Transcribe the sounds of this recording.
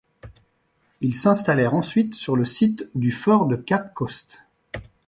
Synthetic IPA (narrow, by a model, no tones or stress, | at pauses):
ilsɛ̃st̪alɛʁɑ̃sɥit̪syʁləsit̪d̪yfɔʁd̪əkapkɔst̪